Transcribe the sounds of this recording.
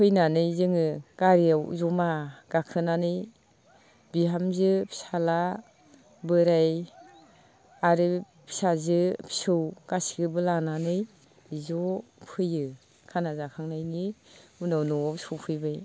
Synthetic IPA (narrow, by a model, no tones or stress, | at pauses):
pʰɯjnanɯjzɯŋɯɡ̥aɾijawzɔmaɡ̥akʰɯnanɯj | biɦamzɯpʰi̥sala | bɯɾaj | aɾɯ | pʰi̥sazɯpʰi̥sɯwɡ̥asiɡɯbɯlananɯj | zɔpʰɯjɯ | kʰanazakʰaŋnajniunawnɔsɔwpʰɯjbaj